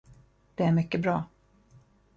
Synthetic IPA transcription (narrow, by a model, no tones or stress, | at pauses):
d̪̥ɛæɾmʏkːəbɾɑː